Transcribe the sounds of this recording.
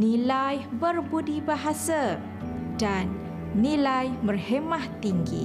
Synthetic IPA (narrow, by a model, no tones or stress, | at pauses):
nilajbərbudibaɦasa | danː | ilajbərhemaht̪iŋɡḭ